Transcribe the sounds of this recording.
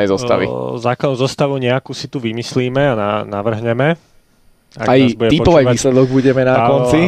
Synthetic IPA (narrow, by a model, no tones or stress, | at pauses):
ɛjzɔst̪a̰ʋḭzaːklad̪ʊzɔst̪aʋɔʊɲɛakuːsit̪uʋimisliːmɛananaʋr̩ɦɲɛmɛ | a̰kajzbuɟɛtipɔpɔajʋaiːslɛd̪ɔɡ̚buɟɛmɛnakɔni